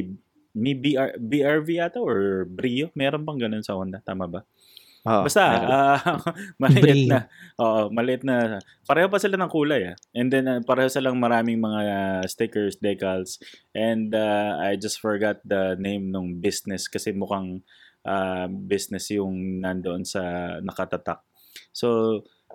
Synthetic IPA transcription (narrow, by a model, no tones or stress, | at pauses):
mebibiʔaɹviʔat̪oʔoɹbɾiːjomɛːɾonpɐŋɡɐno̞nsɐʔond̪ɐt̪aːmɐbɐ | obast̪aa | mɐlɪʔɪt̪nɐʔoːʔomɐlɪʔɪt̪nɐ | pɐɾɛːhop̬ɐsɪlanɐŋkuːlɐjaʔɛnd̪ɛnpɐɾɛːhosɪlaŋmɐɾaːmɪŋmɐŋast̪ɪkɛɹsd̪ɛkɐlsʔɛnd̪aajd͡ʒɐst̪fɔɹɡat̪̚d̪ɐnẽjmnʊŋbɪsnɛskɐsɛmʊkaŋ | ʔabɪsnɛsjʊŋnɐnd̪oʔonsɐnɐkɐt̪ɐt̪ak̚ | so̞